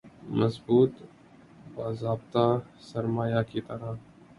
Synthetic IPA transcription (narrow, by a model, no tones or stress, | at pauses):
mɐzbuːt̪ | baːzaːbt̪asɐɾmaːjakit̪ɐɾa